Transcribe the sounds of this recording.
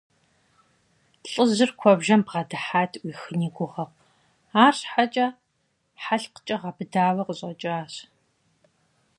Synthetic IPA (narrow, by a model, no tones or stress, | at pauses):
ɬʼəzɨrkʷʰɔbʒɐmbʁɐdɨħaːtʰʼwʷiːxɨniːɡʷʊʁɐχʷ | aːrħat͡ʃʼɐ | ħaɬqə̥t͡ʃʼɐʁɐbɨdaːwɐqəɕʼɐt͡ʃʼaːɕ